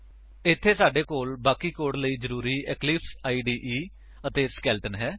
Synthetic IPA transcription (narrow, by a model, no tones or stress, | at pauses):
ɪt̪ʰːeːsaːɖeːkoːlbaːkiːkoːɽləiːd͡ʒəɾuːɾiːɛːklɪpsaːiːɖiːʔiː | ət̪eːskɛːlʈənɦɛː